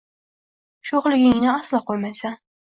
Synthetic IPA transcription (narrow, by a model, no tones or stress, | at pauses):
ʃoχlˠɪɡʲɪŋnɪɑslˠɑqojmasa